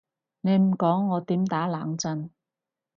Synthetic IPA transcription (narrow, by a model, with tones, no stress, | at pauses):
ne˨˧jm̩˨˩kɔː˨˥ŋːɔː˨˧t̪iː˨˥mt̪aː˨˥laː˨˥ŋt͡sɐ˧n